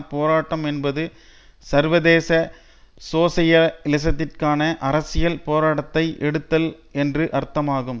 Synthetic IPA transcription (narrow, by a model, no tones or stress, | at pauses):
poːɾaːʈːɐmɛnbɐðɯ | sɐɾʋɐðeːsɐ | soːsɐjɐlɪs̬ɐt̪ːɪrkaːnɐʔɐɾɐsɪjɐlpoːɾaːɽɐt̪ːɐɪʔɛɽɯt̪ːɐl | ɛndrɯʔɐɾt̪ːɐmaːɣɯm